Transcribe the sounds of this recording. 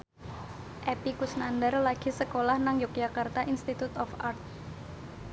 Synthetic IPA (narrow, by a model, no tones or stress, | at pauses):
ʔepikusnandərlaɡ̥i̤səkolahnaŋjuk̚jakart̪aʔinst̪it̪ut̪ɔfart̪̚